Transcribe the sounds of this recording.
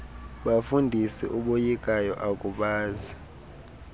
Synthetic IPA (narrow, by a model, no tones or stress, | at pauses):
ɓafundʱisiʔuɓojikʼajɔʔakʼuɓaːzi